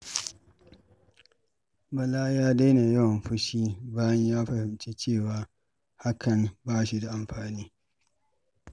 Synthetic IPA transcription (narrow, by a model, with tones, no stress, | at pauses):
bɐ˨laː˦jaː˦da˦jna˨jɐ˦wɐ˨mɸʊ˦ʃiː˦baː˦jɐ˦ɲjaː˦ɸɐ˨hɪ˨mt͡ʃe˦t͡ʃeː˦˨waː˦ | ha˦kʰɐ˨nbaː˦ʃi˨da˨ʔa˨mɸaː˨niː˦